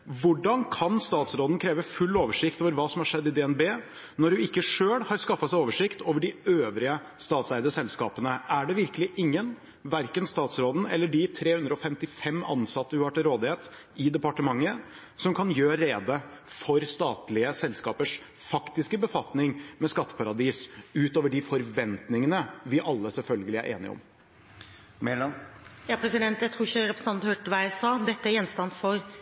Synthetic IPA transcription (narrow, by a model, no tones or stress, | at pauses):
ʋʊɖɑnkʰɑnst̪ɑːt̪sɾoːd̪n̩kʰɾeːʋəfʉlːoːʋəʂɪkt̪oːʋəɾʋɑːsɔmhɑʂɛd̪ːɪd̪ɛɛnbeː | nɔɾːʉɪkːəʂøːlhɑɾskɑfːɑsæɪoːʋəʂɪkt̪ʰoːʋəɖɪøːʋɾɪə | st̪ɑːt̪sæɾd̪əsɛlskɑːpənəʔæɖɛʋɪɾkəlɪʔɪŋːən | ʋæɾkənst̪ɑːt̪sɾoːd̪n̩ɛ̰lːəɖɪt̪ʰɾeːhʉnd̪ɾəɔfɛmt̪ɪfɛmːɑ̰nsɑt̪ːəʉɑʈəɾoːd̪ɪheːt̪ | ɪd̪ɛpɑʈəmɑŋːə | sɔmkʰɑnjøːɾeːd̪əfɔɾst̪ɑːt̪lɪəsɛlskɑːpəʂ | fɑkt̪ɪskəbəfɑt̪nɪŋmɛskɑt̪ːə̥pʰɑɾɑd̪iːsʉːt̪oːʋəɖɪfɔɾʋɛnt̪nɪŋənəʋɪʔɑlːəsɛlfœlɡəlɪæ̰ɾʔḛːnɪ̰ɔ̰m | mɛljɑːpʰɾɛsɪd̪ɛnt̪jæɪt̪ʰɾuːɾɪçəɾɛpɾsən̩ɑnhøːʈʋæsɑːd̪ɛt̪ːəæɾjɛnst̪ɑnfɔɾ